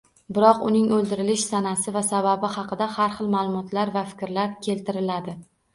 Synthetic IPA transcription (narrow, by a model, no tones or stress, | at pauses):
bɪɾɒqʊnɪŋɵld̪ɪɾɪlɪʃsanasɪvasababɪhɑqʰɨd̪ahaɾχɨlˠmalˠʊmɒt̪laɾvafɪ̥kʲɾlaɾkʲʰe̞lt̪ɪɾɪlad̪ɪ